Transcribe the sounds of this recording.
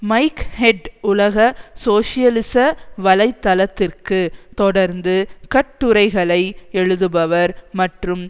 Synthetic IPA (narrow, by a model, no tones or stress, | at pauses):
mɐɪkhɛɖʊlɐɣɐsoːʂɪjɐlɪsɐʋɐlɐɪt̪ːɐlɐt̪ːɪrkɯt̪ɔɽɐɾnd̪ɯkɐʈːɯɾɐɪɣɐɭɐɪɛɻɯðɯbɐʋɐɾmɐʈrɯm